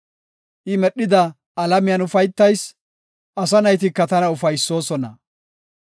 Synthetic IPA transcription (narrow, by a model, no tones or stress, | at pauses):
ʔɪmɛɗːɪd̪ɐː | lɐmɪjɐnʊfɐjt̪ːɐjs | ʔɐs̬ɐnɐjt̪̬ɪkːɐt̪ɐnɐʊfɐjsːo̞ːsɔnɐ